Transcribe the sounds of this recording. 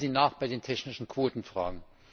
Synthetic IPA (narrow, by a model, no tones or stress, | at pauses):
ziːnaːχb̥aɪdeːntʰɛçnɪʃn̩kʰv̥oːtn̩fʁ̥a̰ːɡŋ̩